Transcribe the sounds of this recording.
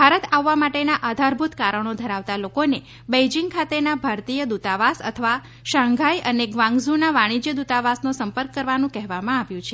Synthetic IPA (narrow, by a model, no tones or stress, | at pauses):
bʱaɾət̪aʋːamaʈenaʔad̪ʱaɾbʱut̪kaɾəɳ̃od̪ʱəɾaʋt̪alokone | bejd͡ʒiŋɡkʰat̪enabʱaɾt̪ijəd̪ut̪aʋasə̰t̪ʰəʋa | ʃãŋɡʱajʔəneɡʋãŋɡzunaʋaɽ̃id͡ʒjəd̪ut̪aʋasnosəmpəɾkːəɾʋanũkɛɦʋamãaʋjũt͡ʃʰe